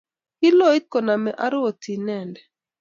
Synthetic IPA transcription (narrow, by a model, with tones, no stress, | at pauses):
ki˦lo˦˨i˦t̪̚kɔ˨na˨mɛ˨ʔa˦ɾo˨ti˨nɛ˨ndɛ˨